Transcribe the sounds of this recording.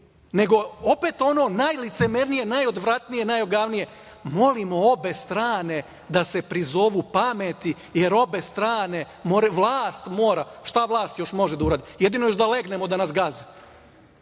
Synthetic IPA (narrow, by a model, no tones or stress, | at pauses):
ne̞ɡo̞ope̞t̪o̞no̞najlit̪semeɾnije̞najo̞d̪ʋɾat̪nijenajoɡaʋnije | mo̞limo̞o̞be̞st̪ɾaːne̞ | d̪ase̞pɾizo̞ʋuːpamet̪i | je̞ɾo̞be̞st̪ɾaːne̞ | moɾeʋlˠaːst̪mo̞ːɾaʃt̪aʋlˠaːst̪jo̞ʃmo̞ʒed̪auɾaːd̪ijed̪inojoʃd̪ale̞ɡnemo̞d̪anasɡaze